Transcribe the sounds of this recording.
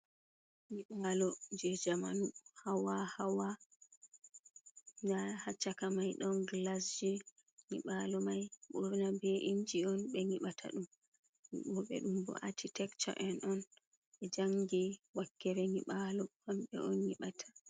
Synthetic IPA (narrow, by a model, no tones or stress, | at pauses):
ŋiɓalɔd͡ʒɛd͡ʒamanuhawahawa | dahat͡ʃːakamajɗɔnɡlas̬d͡ʒi | ŋḭɓalɔmajɓɔɾnabɛʔiɲd͡ʒiɔnɓɛŋiɓatʰa̰ɗum | mḭɓɔɓɛ̰ɗumbɔ̰ʔatʰitɛkt͡ʃɔ̰ʔɛnɔn | ɓɛd͡ʒaŋɡiwakːɛɾɛŋiɓalɔhamɓɛ̰ʔɔnɲiɓatʰḁ